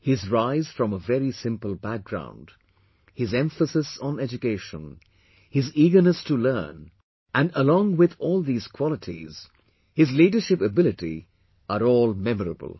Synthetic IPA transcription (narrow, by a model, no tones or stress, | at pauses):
hɪzɹaɪz̥fɹʌ̃məvɛɹisɪ̃mpəl̩ˠbæk̚ɡ̥ɹã̰ʊ̃nd̥ | hɨzɛ̃ɱfəsɨsn̩ɛd͡ʒɨkeɪʃə̰̃n | hɪziːɡə˞nəstɨlɜ̰˞n | ʔæ̃ndəlɔ̃ŋwɪðɔːlˠðiːz̥kʰw̥ɑlətʰḭz̥ | hɪzliːdə˞ʃɪpəbɪlˠɨtḭ | ʔəɾɔːlˠmɛməɹə̰bə̰l̩ˠ